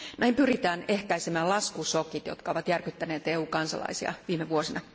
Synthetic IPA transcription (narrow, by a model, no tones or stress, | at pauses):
næimpyrit̪æːnehkæisemæːlɑskusokit̪jo̰t̪kɑo̞ʋɑt̪jærkyt̪ːæneːt̪eːuːkɑnsɑ̰lɑ̰isiɑ̰ʋiːmeʋuosinɑ